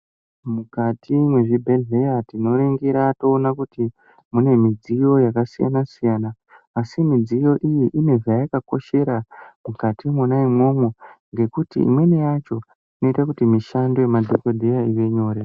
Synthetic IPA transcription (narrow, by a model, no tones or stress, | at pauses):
mukatʰimwe̞ʐibʱelɮe̞jatino̞ɾiŋɡiɾato̞ːnakuti | mune̞mid͡zijo̞jakasija̰nasijaːnaː | simid͡zijo̞ʔijiʔine̞vajakako̞ʃe̞ɾamukatʰimonaimwo̞mwoŋɡe̞kutḭḭmwe̞nejat͡ʃo̞ | ino̞itakutimiʃandoemadʱokodʱejaiʋe̞ɲo̞ːɾe